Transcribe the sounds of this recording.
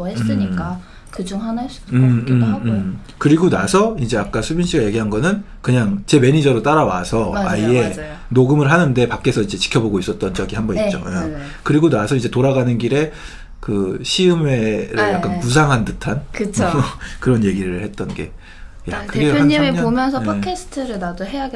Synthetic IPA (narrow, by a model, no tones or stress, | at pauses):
eɯɲik͈a | kɯd͡ʑuŋhans͈ɯmɯɯm | kɯɾiɡonasʰʌind͡ʑe̞ak͈asʰubunɕʰiɡaje̞ɡiɦanɡʌnɯn | kɯɲaŋt͡ɕe̞me̞ɲid͡ʑʌɾot͈aɾawa̰sʰʌaie̞ | noɡɯmɯɭɦanɯnde̞pak͈e̞sʰʌind͡ʑe̞t͡ɕi̥kʰjʌboɡois͈ʌt̚t͈ʌnt͡ɕʌɡihambʌnit͡ɕ͈o̰ja | kɯɾiɡonasʰʌind͡ʑe̞toɾaɡanɯnɡiɾe̞ | kɯɕʰiɯme̞ɾɯɭjak͈anpus̬ʰaŋɦantɯtʰankɯt͡ɕʰkɯɾʌnje̞ɡiɾɯɭhe̞t̚t͈ʌnɡe̞̰ | jakɯɯɾeimeaomjʌns̬ʰʌpʰkʰesʰɯ̥tʰɯɾɯɭnadoɦe̞jaɡe